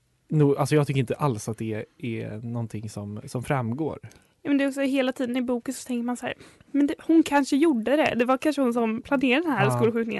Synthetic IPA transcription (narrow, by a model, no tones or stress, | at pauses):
nuːɡʔalsɔjɑɡt̪ʏkːɾɪnt̪əʔalsat̪̚d̪ɛɛ̰nɔnt̪ʰɪŋːsɔmsɔmfɾamːɡo̰ːɾ | jɑːmɛnd̪ɛɾɔksɔɦeːlat̪ʰiːd̪ənɪbuːkənsɔ̥t̪ʰɛŋkəɾmansahæ̰ːɾ | mɛnd̪ɛhʊnkʰanʂəjuɖːəd̪ɛ̰d̪ɛvaɾkʰanʂəhʊns̬ɔmpʰlaneːɾad̪ɛnhɦæːɾskuːlɧʉ̟t̪nɪŋə̰n